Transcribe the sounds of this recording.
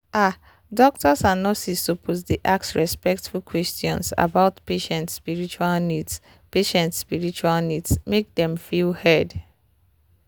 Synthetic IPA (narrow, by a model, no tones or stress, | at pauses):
a | dɔk̚tɔsãnːɔsistopʰosdiʔaksɹɛspɛk̚tfulkʰwɛstjɔ̰̃nsa̰baʊtpeʃɛ̃ntspiɹit͡ʃualnids | peʃɛ̃ntspiɹit͡ʃualnidsmek̚dɛ̃mfilhɛd